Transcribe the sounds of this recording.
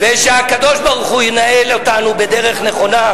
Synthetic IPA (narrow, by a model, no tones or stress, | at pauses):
veʃeakad̪o̞ʃbaʁuχujenaelot̪anubed̪eʁeχneχo̞na